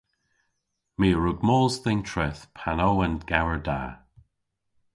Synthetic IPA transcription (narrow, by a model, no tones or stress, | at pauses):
miːəɹuɡmoːzðɪntʰɹɛθpʰanowənɡ̥awəɹda̰ː